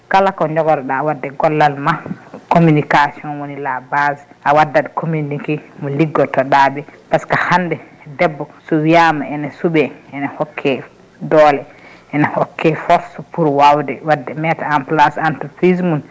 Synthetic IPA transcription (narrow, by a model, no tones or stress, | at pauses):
kalakɔɲd͡ʒɔɡɔɾɔɗaːwadːɛɡɔlːalmakomunikasiɔnwonilabasʔawadːadkʰomunikimɔliɡːɔtɔɗabɛpaskahandɛdɛbːɔsɔwiamaɛnɛsuɓɛɛnahɔkʰːɛ | dɔlɛ | ʔɛnahɔkʰːɛfɔɾspuɾwawdɛwadːɛmɛtaamplasantupɾizmun